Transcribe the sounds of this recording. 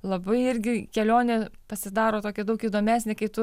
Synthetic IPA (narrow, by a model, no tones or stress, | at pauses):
lˠɐbɐɪɪɾʲɡʲɪkʲɛlʲoːnʲeːpɐsʲɪd̪ɑːɾoːt̪oːkʲɛd̪ɐʊkiːd̪oːmʲæːsʲnʲɪkɐɪt̪ʊ